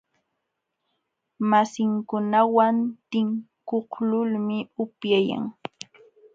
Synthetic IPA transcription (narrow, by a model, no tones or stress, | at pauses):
masɪŋkʊnawant̪ɪŋkohlʊlmɪʊpjaja̰ŋ